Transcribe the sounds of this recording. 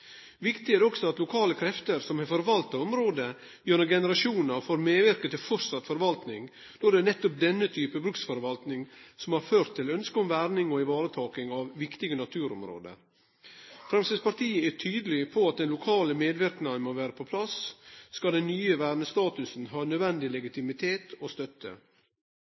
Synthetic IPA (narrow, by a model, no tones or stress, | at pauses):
ʋɪkt̪ɪæːɾɔksɔɑt̪lʊkʰɑːləkʰɾɛft̪əɾsɔmhɑɾfɔɾʋɑlt̪ɑɔmɾoːd̪ə | jøːnəɡɛnəɾɑʃuːnəɾfoːɾmeːʋɪɾkət̪ɪlfɔɾsɑt̪ːfɔɾʋɑlt̪nɪŋ | d̪̥ɔd̪ɛnɛt̪ːɔp̚d̪ɛnːət̪ʰyːpəbɾʉksfɔɾʋɑlt̪nɪŋsɔmhɑɾføːɾt̪ʰːɪlœnskəɔmʋæɾnɪŋɔɪʋɑːɾət̪ʰɑːkɪŋɑʋʋɪkt̪ɪɡənɑt̪ʰʉːɾɔ̰mɾo̰ːd̪ə̰ɾ | fɾɛmsɛspɑɾt̪ʰiːəæʈʰyːd̪əlɪpʰɔɑt̪̚d̪ɛnlʊkʰɑːləmeːd̪ʋɪɾknɑnmoʋæːɾəpʰɔpʰlɑsskɑd̪ɛnnyːəʋæːɾnəst̪ɑːt̪ʉsn̩ɦɑːnœd̪ʋɛnd̪ɪlɛɡɪt̪ɪmɪt̪ʰeːt̪ɔst̪œt̪ːə̰